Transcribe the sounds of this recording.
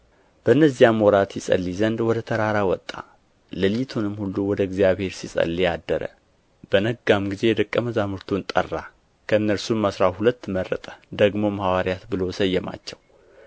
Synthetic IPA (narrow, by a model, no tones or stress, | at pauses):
b̥əɨnːəzːjamwɔɾat̪jɪsʼə̰lːizənd̪wɔd̪ət̪ʰəɾaɾawɔt̪ʼːa̰ | ləlt̪ʰunɨmːhulːuwɔd̪əɪɡzijaβhe̞ɾsisʼə̰lːijad̪ːəɾə̰ | b̥ənəɡːamɡize̞jɛd̪əkʼːəməzamɨɾt̪ʰunt̪ʼə̰rːa | kʰəɨnːəɾsumːasɾahulət̪ːmərːə̰t̪ʼə̥d̪əɡmo̞mhawaɾjat̪bɨlo̞səjːɛma̰t͡ʃːɛw